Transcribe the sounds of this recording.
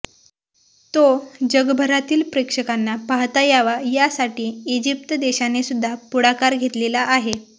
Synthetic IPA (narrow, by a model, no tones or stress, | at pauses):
t̪od͡ʑəɡbʱəɾat̪iːlpɾekʂəkanːapaɦt̪ajaʋajasaʈiːd͡ʑip̚t̪əd̪eɕanesud̪ʱːapuɽakaɾɡʱet̪lelaʔaɦe